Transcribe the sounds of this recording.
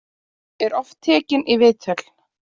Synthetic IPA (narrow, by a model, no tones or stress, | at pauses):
ɛɾɔft̪t̪ʰːɛːcɪnʔivɪːt̪ʰœl̥